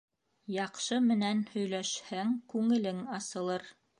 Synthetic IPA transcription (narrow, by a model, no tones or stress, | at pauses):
jɑqʃɤmɘ̆nænhɵ̆jlæʃhæŋkʉŋɘ̆lɘŋɑsɤ̆lˠɤɾ